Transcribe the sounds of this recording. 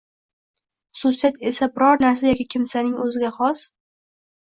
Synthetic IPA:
χʊ̥sʊsijat̪e̞sabɪɾɒɾnaɾsajɒkʲɪkʲʰɪmsanɪŋɵzɪɡʲaχɒs

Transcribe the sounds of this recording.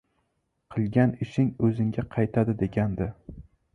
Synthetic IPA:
qʰɨlˠɡʲanɪʃɪŋɵzɪŋɡʲaqʰɑjt̪ʰad̪ɪd̪e̞ɡʲand̪ɪ

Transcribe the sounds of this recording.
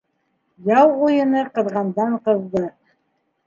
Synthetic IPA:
jɑw̪ˠujɤ̆nɤqɤ̆ðʁɑnd̪ɑɴqɤ̆zd̪ɤ

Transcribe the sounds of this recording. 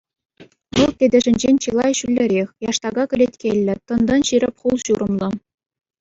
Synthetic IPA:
ʋɤlˠtʲedʲɘ̆ʐɘ̆nʲd͡ʑenʲt͡ɕɯlˠɑjɕylʲːɘ̆ɾʲexʲjɑʂt̪ɑɡɑkʲɘ̆lʲetʲkʲelʲːɘ̆t̪ɤ̆nd̪ɤ̆nɕiɾʲɘ̆pʲχulˠɕuɾɤ̆mlˠɤ̆

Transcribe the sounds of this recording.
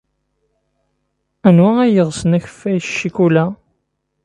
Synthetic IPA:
ænwææjəʁsənæçə̥fːæjʃːikulæ

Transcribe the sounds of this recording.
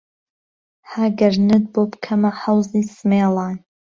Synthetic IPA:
haɡɐɾnɨd̪̚boːbkʰɐmɐħɐwziːsɨmeːlˠɑːn

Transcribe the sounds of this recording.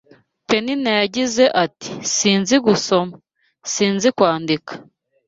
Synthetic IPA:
pe̞ninajaɟize̞ʔati̥siːnziɡuso̞ma | siːnzikwaːndikḁ

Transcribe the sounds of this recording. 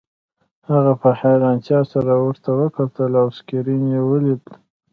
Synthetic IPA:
haɣapəhajɾɑnt̪jɑsaɾawəɾt̪awəkat̪əlawskiɾinjewəlid̪

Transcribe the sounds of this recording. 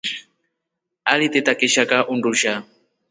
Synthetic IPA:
alit̪et̪akeʃakaʔunruʃa

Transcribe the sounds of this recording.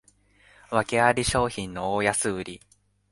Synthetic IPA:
βake̞aɾʲiɕo̞ːçĩnnːo̞oːjasɨɯɾʲi

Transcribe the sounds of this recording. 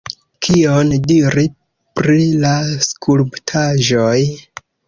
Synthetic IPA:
kʰiondiɾi | pɾilaskʰulptʰaʒoj

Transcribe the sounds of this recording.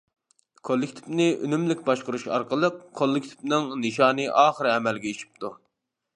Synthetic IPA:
kʰolˠːɪkʲt̪ʰi̥vnɪʔy̰nymlɪkʲbɑʃqʊɾuʃɑ̰ɾqəlˠəqʰːolˠːɪkʲt̪ʰi̥vnɨŋnɨʃɑːnɨʔɑːχəɾɛmɛlɡʲɛit͡ʃʰi̥p̚t̪ʰu

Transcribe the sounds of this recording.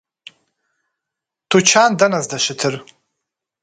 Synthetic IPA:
tʰut͡ʃʰandanazdaʃɪtʰɨr

